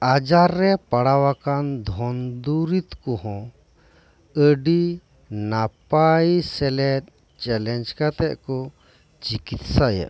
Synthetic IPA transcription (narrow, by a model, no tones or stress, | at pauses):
ad͡ʒaɾːɛpaɽawakand̪ʱɔnd̪uɾit̪kɔɦɔ̃ | əɖi | napaisɛlɛɾ | t͡ʃɛlɛnd͡ʒkat̪ɛʔkɔ | t͡ʃikit̪saja̰ʔ